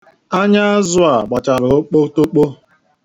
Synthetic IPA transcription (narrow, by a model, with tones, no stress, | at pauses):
a˦ɲa˦a˦zʊ˦a˨ɡ͡ba˨t͡ʃa˨ɾʊ˨˦k͡po˦to˦k͡po˦